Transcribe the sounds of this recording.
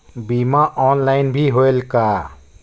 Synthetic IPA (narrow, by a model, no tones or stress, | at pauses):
bimaʔɔːnlaɪnbʱiɦoelka